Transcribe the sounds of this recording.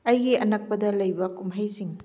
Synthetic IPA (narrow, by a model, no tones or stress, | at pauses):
ɐjɡiɐnɐk̚pɐdɐlɐjbɐkumɦɐjsiŋ